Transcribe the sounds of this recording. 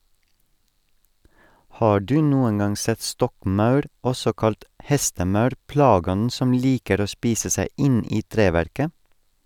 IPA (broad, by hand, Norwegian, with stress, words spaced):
ˈhɑː ˈɖʉː ˈnuːən ˈɡɑŋ ˈsɛt ˈstɔkˌmɑʉɾ ˈɔsɔ ˈkɑlt ˈhɛstəˌmɑʉɾ ˈplɑːˌɡɔnn̩ ˈsɔm ˈliːkəɾ ˈoː ˈspiːsə ˈsæɪ ˈɪn ˈiː ˈtɾeːʋæɾkə